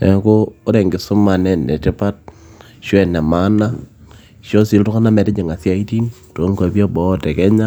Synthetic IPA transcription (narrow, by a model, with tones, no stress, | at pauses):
ɛ˨koː˦ɾɛ˨ŋɡɪ˨sʊ˦ma˨nɛ˦nɛ̰˨tɪ˦pa˦t̚ | ʃwɛ˨na˨ma˦na˦ | ʃo˦si˦˨ltʊ˦ka˦na˦mɛ˨tɪ˦ɲɪ˨ŋa˨sja˦i˦ti˦n | to˨˦ŋka˨bi˦a˦bɔ˨˦tɛ˨kɛ˦ɲa˦